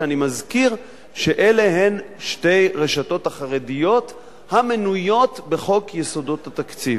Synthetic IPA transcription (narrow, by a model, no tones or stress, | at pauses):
animazkiʁ | ʃe̞ʔele̞ɦe̞nʃte̞jʁe̞ʃato̞taχaʁe̞dijo̞t | hamenujo̞tbe̞χo̞kjeso̞do̞thatakt͡siv